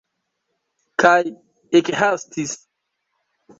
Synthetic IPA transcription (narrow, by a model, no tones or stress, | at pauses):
kʰaj | ekhastis